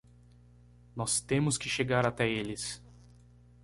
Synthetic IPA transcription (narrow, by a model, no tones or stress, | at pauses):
nɔst̪ẽmʊskɪʃeɡaɾat̪ɛelɪs